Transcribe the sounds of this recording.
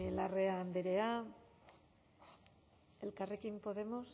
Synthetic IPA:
lareand̪eɾea | elkarikimpo̞ðe̞mos

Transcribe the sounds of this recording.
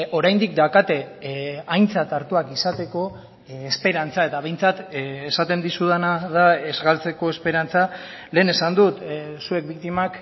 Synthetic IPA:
o̞ɾajnd̪ik̚d̪akat̪e̞ajnt͡sat̪aɾt̪uakisat̪e̞ko̞ | espe̞ɾant͡sae̞t̪aβ̞e̞jnt͡sat̪esat̪e̞nd̪isuðanaðae̞zɣalt͡se̞ko̞e̞spe̞ɾant͡sa | le̞ːne̞sand̪ut̪sue̞k̚bikt̪imak

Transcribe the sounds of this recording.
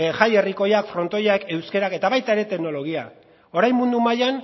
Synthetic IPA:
ʝaje̞riko̞jakfɾo̞nt̪o̞jake̞wske̞ɾake̞t̪aβajt̪aeɾe̞t̪e̞kno̞lo̞ɣ̞ia | o̞ɾajmund̪umajan

